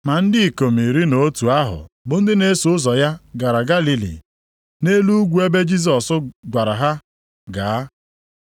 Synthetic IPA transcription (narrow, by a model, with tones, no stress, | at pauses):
ma˨n̩˦dɪ˦˨ko˨m̩i˨ɾi˦no˦tu˨a˦ɦʊ̰˨bʊ˨n̩˦dɪ˦ne˦su˨˦ʊ˦zɔ˨ja˦ɡa˨ɾa˨ɡa˦li˦lḭ˨ | ne˦lu˦ɡʷu˨˦e˦be˦d͡ʒi˦s̬ɔ˨sʊ˦ɡʷa˨ɾa˨ɦa˦ | ɡa˨a˦